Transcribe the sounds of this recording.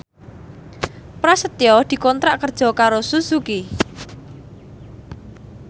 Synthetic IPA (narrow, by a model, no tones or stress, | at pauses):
pɾasət̪jɔd̪̥i̤kɔnt̪ɾaʔkərd̥ʒ̥ɔ̤kaɾosusuki